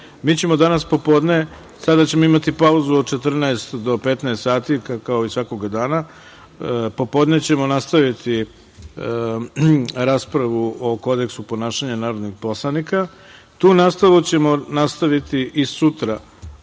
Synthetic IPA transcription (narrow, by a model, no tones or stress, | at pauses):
miːt͡ɕe̞mo̞d̪anaspo̞po̞ːd̪ne̞ | sad̪at͡ɕe̞mo̞imat̪ipauzuot͡ʃet̪r̩naest̪d̪o̞pe̞t̪naest̪saːt̪ikao̞isʋako̞ɡad̪aːna | po̞po̞d̪ne̞t͡ɕe̞mo̞nast̪aʋit̪ʰi | ɾaːspɾaʋuʔo̞ko̞d̪e̞ksupo̞naːʃaɲanaːɾo̞d̪niɡpo̞slˠanika | t̪uːnast̪alut͡ɕe̞mo̞nast̪aʋit̪iʔisut̪ɾa